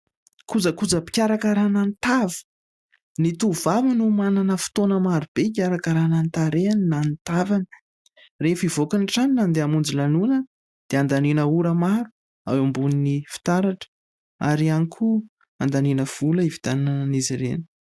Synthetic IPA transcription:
kud͡zəkud͡zəpi̥kʲaɾakaɾanant̪avə̥ | nit̪uvavanumananəfu̥t̪onəmaɾub̥ek̬ʲaɾakaɾanant̪aɾeaninant̪avanə̥ | refivokaniʈ͡ʂaninand̪eamund͡zilanunə | d̪̥eand̪aninəuɾəmaɾu̥ | a̰wambuninifi̥t̪aɾaʈ͡ʂə̥ | a̰ɾianikʰu | and̪aninəv̥uləivi̥t̪annəniziɾḛni̥

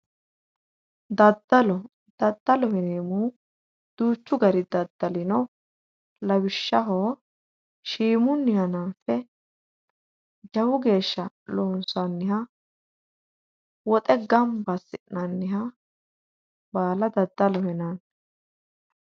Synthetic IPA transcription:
d̪ɐd̪ːɐlɔ | d̪̥ɐd̪ːɐlɔhɪneːmuː | d̪̥uːt͡ʃːʊɡɐɾɪd̪ɐd̪ːɐlɪnɔ | lɐwɪʃːɐɦoː | ʃiːmʊnːɪhɐnaːfɛ | d͡ʒɐwʊɡe̞ːʃːɐ | loːnsɐnːɪɦɐ | wɔt̪ʼɛɡɐmbɐsɪnɐnːɪɦɐ | baːlɐd̪ɐd̪ːɐlɔhɛnɐn

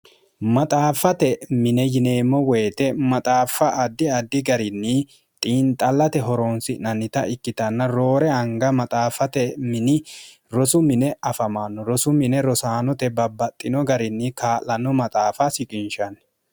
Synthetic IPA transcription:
mɐt̪ʼaːfɐt̪ɛmɪnɛjɪne̞ːmːɔwɛːt̪ɛmɐt̪ʼaːfɐʔɐd̪ːɪɐd̪ːɪɡɐɾɪnːɪ | t̪ʼiːnt̪ʼɐlːɐt̪ɛɦɔɾoːnsɪnɐnːɪt̪ɐʔɪkːɪt̪ɐnːɐɾoːɾɛɐŋɡɐmɐt̪ʼaːfɐt̪ɛmɪnɪ | ɾɔsʊmɪnɛɐfɐmaːnːɔɾɔsʊmɪnɛɾɔsaːnɔt̪ɛbɐbːɐt̪ʼːɪnɔɡɐɾɪnːɪkaːlɐnɔmɐt̪ʼaːfɐsɪkʼɪnʃɐn

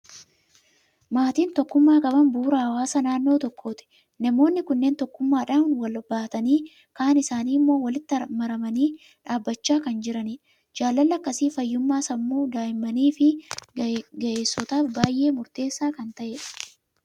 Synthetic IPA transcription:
maːt̪iːnt̪ɔkːʊmːaːkʼɐbɐmbuːɾɐhɐwaːsɐnaːnːo̞ːt̪ɔkːo̞ːt̪ɪ̥ | nɐmo̞ːnːɪkʊnːe̞ːnt̪ɔkːʊmːaːᶑaːnwɐlbaːt̪ɐniː | kaːnɪsaːniːmːo̞ːwɐlɪt̪ːɪɐmɐɾɐmɐniː | ᶑaːbːɐt͡ʃːaːkɐnd͡ʒɪɾɐnɪ | d͡ʒaːlːɐlːɐkːɐsiːfɐjːʊmːaːsɐmːuːd̪aːjɪmːɐniːfɪ | ɡɐʔeːsːɔt̪aːfbaːjʔe̞ːmʊɾt̪e̞ːsːaːkɐnt̪ɐʔeᶑ̥

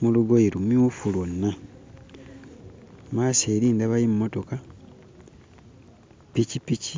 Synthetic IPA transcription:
muluɡoiɾumjuːfulonːa | maːseːɾiːndaβajimːotoka | picipici

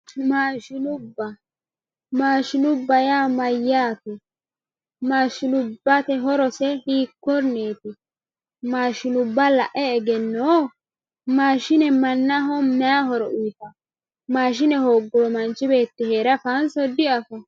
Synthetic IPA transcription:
maːʃɪnʊbːɐ | maːʃɪnʊbːɐjaːmɐjːaːt̪ʊ | maːʃɪnʊbːɐt̪ɛɦɔɾɔsɛhiːkːɔɾneːt̪ɪ | maːʃɪnʊbːɐlɐ̰ʔɛːɡɛnːoː | maːʃɪnɛmɐnːaɦɔmɛaɦɔɾɔʔujt̪ɐ | maːʃ̬ɪnɛhoːɡːɔmɐnt͡ʃːɪbe̞ːt̪ːɪheːɾɐfɐnsɔd̪ɪɐfɐ

